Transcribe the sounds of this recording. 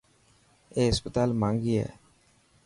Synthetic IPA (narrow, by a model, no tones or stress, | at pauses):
eɦspət̪almaŋɡia̰